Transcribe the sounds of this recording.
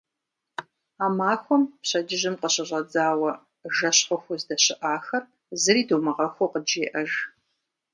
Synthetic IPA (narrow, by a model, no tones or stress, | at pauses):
aːmaːxʷɔmpɕɐd͡ʒɪʑɪmqəɕɐʑʷʼɐd͡zaːwɐ | ʒɐɕχʊxʷʊzdɐɕɪʔaːxɐr | zɨriːdowmɐʁɐxʷoqəd͡ʒeːʔɐʒ